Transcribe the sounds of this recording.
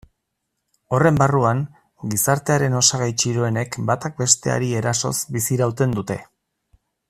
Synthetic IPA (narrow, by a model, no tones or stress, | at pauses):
o̞re̞mbaruaŋ | ɡisaɾt̪e̞aɾe̞no̞saɣ̞ajt͡ʃiɾo̞e̞ne̞kbat̪ak̚be̞st̪e̞a̰ɾie̞ɾaso̞̰sbisiɾawt̪e̞nd̪ut̪e̞